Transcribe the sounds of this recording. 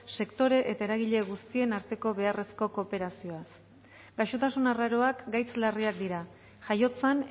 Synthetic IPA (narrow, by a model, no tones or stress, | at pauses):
se̞kt̪o̞ɾe̞ʔet̪ae̞ɾaɣ̞iʎe̞ɣust̪ie̞naɾt̪e̞ko̞βe̞are̞sko̞ko̞pe̞ɾasio̞as | ɡ̥ajʃo̞t̪asunaraɾo̞akɡajt͡slariak̚d̪iɾa | ʝajo̞t͡san